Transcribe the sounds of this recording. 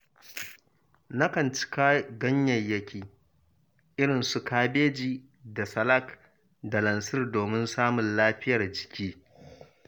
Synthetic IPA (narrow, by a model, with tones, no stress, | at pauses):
na˦kɐ˨nt͡ʃɪ̥˦kaː˦ɡɐ˦ɲjɐ˨jːɐ˦kʲʰiː˨ | ʔɪ˦ɽɪ˨nsu˨kaː˦beː˦d͡ʒiː˦ | da˨sɐ˨lɐ˦˨k | da˨lɐ˨nsɪ˦rdoː˨mɪ˦nsaː˦mʊ˨nlaː˦ɸɪ˦jɐ˨rd͡ʒɪ˨kʲiː˦